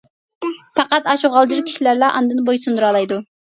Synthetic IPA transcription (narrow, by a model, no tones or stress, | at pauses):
pɑqɑt̪ɑʃuʁɑlˠd͡ʒiɾkʲʰi̥ʃilæɾlɑʔɑnd̪ɨnbojsund̪uɾɑːlˠɑjd̪u